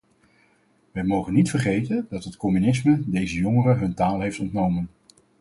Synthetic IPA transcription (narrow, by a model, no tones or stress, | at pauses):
ʋɛjmowχənitfərχejtəndɑtɦətkɔmynɪsmədejzəjɔŋərəɦɵntaːlˠɦejftɔntnowmən